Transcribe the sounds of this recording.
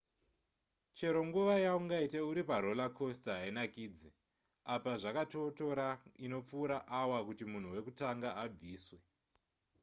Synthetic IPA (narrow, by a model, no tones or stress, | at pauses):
t͡ʃe̞ɾo̞ŋɡuʋajauŋɡaiteuɾipaɾo̞lakʰo̞stɦainakiːd͡zi | apaʐakatoto̞ɾaino̞p͡fuːɾaʔawakutimun̤uwe̞kutaŋɡaab͡viːswe̞